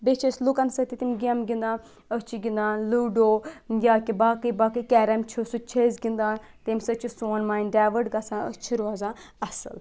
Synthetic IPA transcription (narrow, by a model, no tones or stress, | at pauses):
bet͡ʃʰeslukɐnsət̪it̪imɡɐmɡʲĩnd̪ãː | ət͡ʃʰiɡĩnd̪aːnluːɖoːjaːkibaːkəjbaːkəjkʲɛːɾɐmt͡ʃʰəsut͡ʃʰezɡʲind̪aːn | t̪emʲsət͡ʃʰisoːnmaːjnɖaːʋəɖɡɐsãːət͡ʃʰiɾuazãː | ɐsə̰l